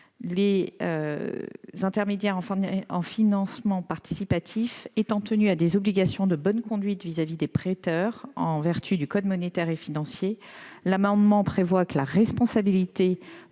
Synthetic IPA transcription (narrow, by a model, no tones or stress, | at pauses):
lḛ | zɛ̃t̪ɛʁmed̪jɛʁɑ̃ɑ̃finɑ̃smɑ̃paʁt̪i̥sipat̪ʰifet̪ɑ̃t̪ənyad̪ezɔbliɡasjɔ̃d̪əbɔnkɔ̃d̪ɥit̪vizavid̪epχet̪œʁɑ̰̃vɛʁt̪ʰyd̪ykɔd̪mɔnet̪ɛʁefinɑ̃sjelamɑ̃d̪mɑ̃pχevwakəlaʁɛspɔ̃sabilit̪e